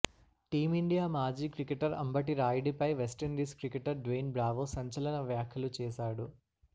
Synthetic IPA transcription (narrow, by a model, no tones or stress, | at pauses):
ʈiːmiɳɖijaːmaːd͡ʒiːkɾikeʈɐɾɐ̰mbɐʈ̬iɾaːjɖipɐjʋesʈɐɳɖiːskɾikeʈɐɾɖʋeːnbɾaːʋoːsɐɲt͡ʃɐlɐnɐʋjaːkʰjɐlut͡ʃɛːʃaːɽu